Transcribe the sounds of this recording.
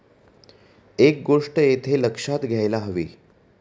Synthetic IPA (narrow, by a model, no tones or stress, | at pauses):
ek̚ɡoʂʈəjet̪ʰeləkʂat̪ɡʱjajlaɦəʋḭː